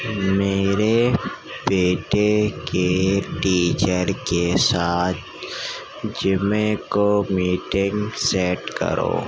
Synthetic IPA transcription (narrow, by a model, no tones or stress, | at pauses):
meːɾe | beːʈekeʈiːt͡ʃəɾkesaːt̪̚ʰ | d͡ʒɪmẽkomiːʈɪ̃ŋɡseːʈkə̰ɾo̰ː